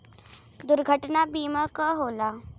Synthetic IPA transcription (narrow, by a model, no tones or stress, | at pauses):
d̪uɾɡʱəʈnabimakəɦola